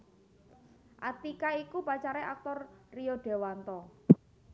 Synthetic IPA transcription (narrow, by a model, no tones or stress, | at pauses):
ʔat̪ikaikupat͡ʃaɾeak̚t̪ɔrrijoɖ̥e̤want̪ɔ